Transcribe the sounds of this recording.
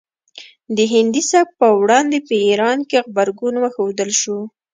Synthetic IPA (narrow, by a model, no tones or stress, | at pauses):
d̪əɦɪnd̪isab̚pəwɽɑnd̪epəiɾɑnkexbaɾɡunwəxod̪əlʃu